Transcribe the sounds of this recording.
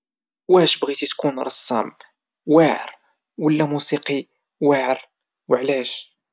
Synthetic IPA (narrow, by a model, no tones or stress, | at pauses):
wæʃbɣit̪it̪kunɾˤɑsˤːɑ̰m | waʕ̰ɾ | wəlːæmusiqi | waʕəɾ | wəʕlæʃ